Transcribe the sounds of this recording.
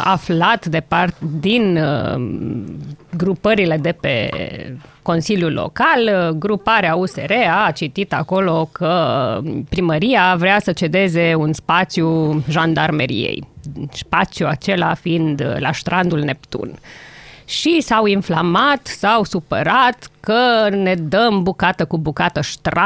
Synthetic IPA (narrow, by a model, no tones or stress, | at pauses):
a̰flat̪d̪e̞part̪d̪in | ɡɾupəɾile̞d̪e̞pe̞̰ | ko̞nsiljulːo̰kalɡɾupaɾeause̞̰ɾeat͡ʃit̪it̪ako̞lo̞kʰə | pɾiməɾiavɾeasət͡ʃe̞d̪e̞ze̞unspat̪sjuʒand̪armeɾḭḛjspat̪sjuat͡ʃe̞lafiind̪la̰ʃt̪ɾʔand̪ulne̞pt̪ṵn | ʃisawinflamat̪sawsupə̰ɾat̪kəne̞d̪əmbukat̪əkubukat̪əʃt̪ɾa